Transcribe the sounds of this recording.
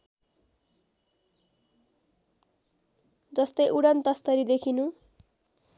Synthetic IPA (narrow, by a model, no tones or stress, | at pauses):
d͡zʌst̪ʌjʔuɽant̪ʌst̪ʌɾid̪ekʰinũ